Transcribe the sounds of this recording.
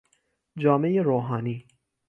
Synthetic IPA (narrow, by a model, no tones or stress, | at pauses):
d͡ʒɒːmejeɾoːɦɑːniː